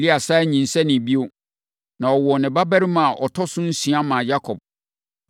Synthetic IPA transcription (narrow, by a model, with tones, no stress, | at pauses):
li˦a˨sa˦ɛ˦ɲĩ˨n̩˨sɛ˦nɪ̃˨bi˦o˦ | nã˨ɔ˨wɔ˨nɪ̃˨ba˦bɛ˦ɾi˦mã˨ʔɔ˨tʰɔ˦sʊ̃˦n̩˦sĩ˨a˦mã˨ja˦kʰɔ˨b̚